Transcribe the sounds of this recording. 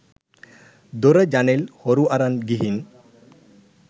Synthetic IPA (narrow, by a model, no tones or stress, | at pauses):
d̪oɾəd͡ʒanelhɔɾuʔaɾanɡiɦin